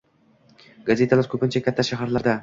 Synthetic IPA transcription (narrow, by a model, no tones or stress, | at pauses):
ɡaze̞t̪ʰalaɾkʰʲɵpɪnt͡ʃʰakʲʰat̪ːaʃaɦaɾlaɾd̪a